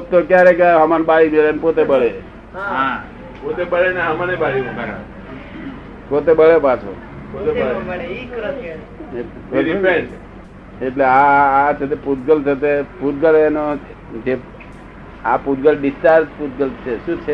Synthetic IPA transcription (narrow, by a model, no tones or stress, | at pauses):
t̪okjaɾekaɦəmanbaɽimeɾenpot̪ebəɭe | ɦa | pot̪ebəɭenaɦəmanebaɽima | pot̪ebəɭepat͡ʃʰo̰ | pot̪e | ipeɳ | eʈleaːt͡ʃʰet̪̬eput̪̚ɡəlt͡ʃʰet̪eput̪ɡəleno | d͡ʒe | aput̪̚ɡəlɖisʈaɾd͡ʒput̪ɡəlt͡ʃʰeʃũt͡ʃʰe